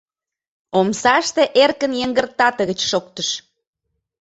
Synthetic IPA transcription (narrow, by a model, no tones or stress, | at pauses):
omsɑʃt̪eʔerkənjəŋɡə̆rt̪ɑt̪əɣət͡ɕʃokt̪əʃ